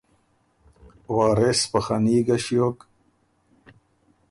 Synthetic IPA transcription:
waːɾespaxaniːɡaɕjok

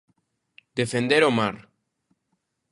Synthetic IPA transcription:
d̪efend̪eɾomaɾ

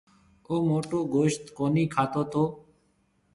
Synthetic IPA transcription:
oːmoːʈoːɡoːʃt̪koːniːkʰaːt̪oːt̪ʰoː

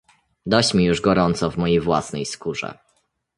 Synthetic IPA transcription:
d̪ɔt͡ɕmʲijuʐɡɔɾɔnt̪sɔvmɔjejvwasnɛjskuʐɛ̰

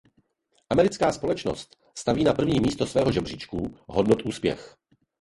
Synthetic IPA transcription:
ʔamɛɾɪt͡skaːspo̞lɛt͡ʃno̰st̪ | st̪aviːnapr̩vɲiːmiːst̪osvɛːɦoʒɛbrɪt͡ʃkuɦodnot̪ʔuːspjɛ̰x

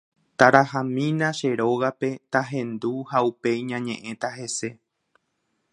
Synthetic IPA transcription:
t̪aɾahãmĩnãʃe̞ɾo̞ɣape̞t̪aɦẽ̞nd̪uhaupe̞jɲãɲẽ̞ʔẽ̞t̪aɦe̞se̞

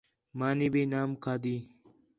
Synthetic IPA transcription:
maːnibeːnaːmkaːd̪iː

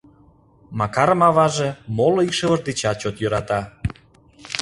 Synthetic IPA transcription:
mɑkɑɾəmɑβɑʒemoloikʃeβə̆ʒd̪et͡ɕɑt̪̚t͡ɕot̪jøɾɑt̪ɑ

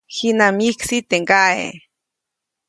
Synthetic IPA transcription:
xinamiksit̪eŋɡaḛ

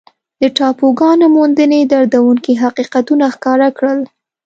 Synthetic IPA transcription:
d̪əʈɑpoɡɑnomond̪əned̪aɾd̪awuŋkiɦaqiqat̪unaxkɑɾakɽəl

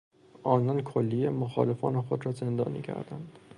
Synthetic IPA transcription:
ʔɒːnɒːnkʰolːijemoxɒːle̞fɒ̰ːnexo̞d̪ɾɒːze̞nd̪ɒ̰ːnḭːcʰæ̰ɾd̪ænd̪̥

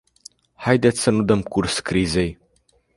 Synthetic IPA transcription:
hajd̪et̪sʲsənud̪əmkurskɾize̞j

